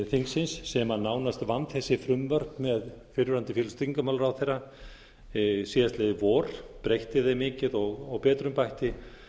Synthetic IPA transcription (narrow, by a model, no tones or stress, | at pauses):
θiŋksɪnsːɛmanaːwnast̪vant̪θɛsːɪfɾʏmvœɾpmɛðfɪɾʏɾant̪ɪfjɛːlst̪ɾiŋkamaːwlaɾawθejra | siːðast̪leðɪvɔːɾ̥pɾejht̪ɪðejmɪːcɪðɔɣɔɣpɛːt̪ɾʏmpajht̪ɪ